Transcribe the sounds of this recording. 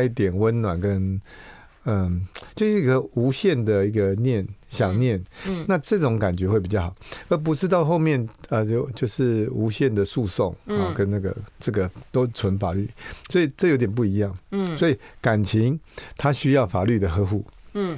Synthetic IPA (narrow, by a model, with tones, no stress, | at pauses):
i˥˩t̪jɛ˨˩nwə˦nnwa˨˩nkə˦˥n | ə˧t͡ɕjo˥˧ʊʂɻ̩˥˩i˧˥ɡə˧u˧˥ɕjɛ˥˨˩nd̪ə˩i˧˥ɡə˨njɛ˥˩nɕjɑ˨˩ŋnjɛ˥˩nna˥˧ʈ͡ʂɤ˥˩ʈ͡ʂʊ˨˧˦ŋka˨˩nt͡ɕɥɛ˧˦xwe˥˩p̬i˨˩t͡ɕjɑ˥˩xʰɑ˨˩ʊə˧˥p̬u˧˥ʂɻ̩˥˧t̪ɑ˥˧ʊxo˥˧ʊmjɛ˥˨nə˧˥˩t͡ɕjo˥˧ʊʂɻ̩˥˩u˧˥ɕjɛ˥˩nd̪ə˩su˥˧so̰˥˩ŋ˨˩kə˦nna˥˩ɡə̰˩ʈ͡ʂɤ˥˩ɡə˩t̪o˥ʊt͡sʰwə˧˦˥nfa˨˩ly˥˩swɔ˧˥i˨˩ʈ͡ʂɤ˥˩jo˧˥t̪jɛ˨˩p̬u˥˩i˧˥jɑ˥˩ŋswɔ˧˥i˨˩ka˨˩nt͡ɕʰi˧˥ŋt̪ʰa˥ɕy˥jɑ˥˩ʊfa˨˩ly˥˩d̪ə˩xɤ˧˥xu˥˩